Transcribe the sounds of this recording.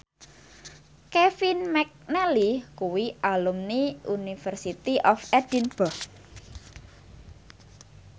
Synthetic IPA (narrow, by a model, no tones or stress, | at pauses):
kɛfinmɛk̚nɛlikuwiʔalumniunifərsit̪iʔɔfɛd̥inb̥ɔ